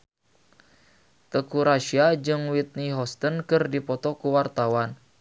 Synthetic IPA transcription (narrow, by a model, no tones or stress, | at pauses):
t̪əkuɾaʃiad͡ʒɨŋwit̪̚niɦɔst̪ənkɨrdipɔt̪ɔkuwart̪awan